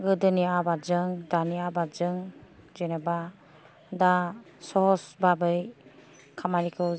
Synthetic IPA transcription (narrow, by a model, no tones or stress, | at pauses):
ɡɯdɯniabazɯŋdaniabad͡ʒɯŋ | d͡ʒeneba | da | sɔɦɔsbabɯj | kʰamanikʰɯ